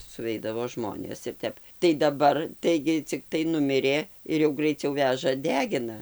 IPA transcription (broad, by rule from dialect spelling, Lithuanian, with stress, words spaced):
sʊˈʋʲɛɪdɐʋoː ˈʒmoːnʲeːs ɪr ˈtʲɛp tɐɪ dɐˈbɐr ˈtɐɪɡʲɪ t͡sʲɪkˈtɐɪ ˈnʊmʲɪrʲeː ɪr jɛʊ ɡrɐɪˈt͡sʲɛʊ ˈʋʲæʒɐ ˈdʲæːɡʲɪnɐ